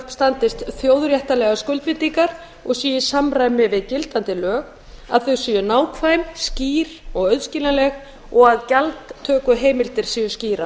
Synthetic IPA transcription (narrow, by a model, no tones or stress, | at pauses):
pst̪ant̪ɪst̪θjoːwðɾjɛht̪alɛɣaskʏlt̪vɪnt̪ikaɾ̥ | ɔɣsiːjɪsamɾaːjmɪvɪðcɪlt̪ant̪ɪlœːɣ | a̰ðθœwsijʏnaːwkʰvaːjmsciːɾɔɣœðscilanlɛɣ | ɔɣaðcalt̪ʰːœːkʏɦeːjmɪlt̪ɪɾ̥sijʏsciːɾa